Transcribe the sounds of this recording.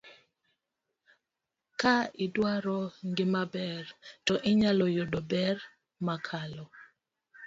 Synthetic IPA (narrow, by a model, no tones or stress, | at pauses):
kaɪdwaɾɔŋɡɪmabɛrtɔʔɪɲalɔjodɔbɛr | makʰalɔ